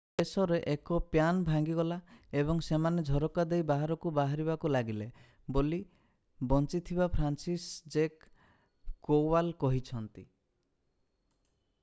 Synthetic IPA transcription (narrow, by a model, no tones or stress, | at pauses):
esɔɾeʔekɔpjanbʱaŋɡiɡɔlaeβɔŋsemaned͡ʒʱɔɾɔkad̪ejbaɦaɾɔkubaɦaɾibakulaɡile | boli | bɔnt͡ʃit̪ʰibapʰɾansisd͡ʒekː | owalkɔɦit͡ʃʰɔnt̪i